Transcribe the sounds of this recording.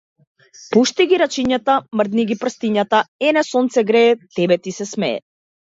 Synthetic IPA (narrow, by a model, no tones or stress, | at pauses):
puʃt̪iɡiɾat͡ʃiɲat̪amr̩d̪niɡʲipr̩st̪iɲat̪aɛnɛsɔnt̪sɛɡɾɛːt̪ɛbɛt̪isɛsmɛɛ̰